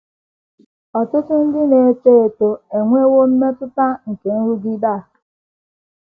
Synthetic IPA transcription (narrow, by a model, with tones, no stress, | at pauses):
ɔ˨tʊ˦tʊ˦n̩˦dɪ˦ne˨e˦˨t͡ʃe˦e˨to˨e˨ŋʷe˦wo˦m̩˦me˦tʊ˦ta˦ŋ̩˨ke˨n̩˦ɾu˦ɡi˦da˦˨